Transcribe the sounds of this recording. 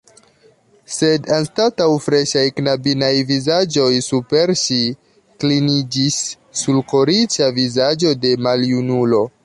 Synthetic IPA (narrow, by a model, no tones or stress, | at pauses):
se̞danstatawfɾe̞ʃajknabinajvizad͡ʒo̞jsupe̞ɾʃi | klinid͡ʒisː | ulko̞ɾit͡ʃavizad͡ʒo̞de̞maljunulo̞